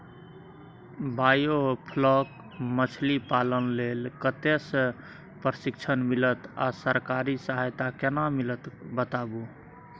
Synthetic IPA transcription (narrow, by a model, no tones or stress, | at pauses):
bajopʰlək | mət͡ʃʰlipalənlelkət̪esə̃ | pɾəsikt͡ʃʰənmilət̪a̰səɾkaɾisəɦajt̪akenamilət̪bət̪abu